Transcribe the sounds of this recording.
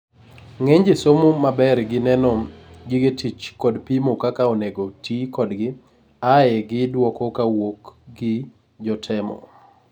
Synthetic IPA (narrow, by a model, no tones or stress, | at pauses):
ŋeɲd͡ʒesomomabɛrɡɪnɛnɔɡɪɡetit͡ʃkɔdpimokakaoneɡotikɔdɡɪ | ajɛɡɪdwɔkɔkawokɡɪ | d͡ʒɔtʰɛmɔ̰